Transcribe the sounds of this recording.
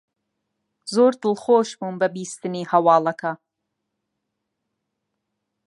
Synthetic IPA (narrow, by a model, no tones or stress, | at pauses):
zoːɾd̪ɨlˠχoːʃbuːnbɐbiːst̪ɨniːhɐwɑːlˠɐkʰɐ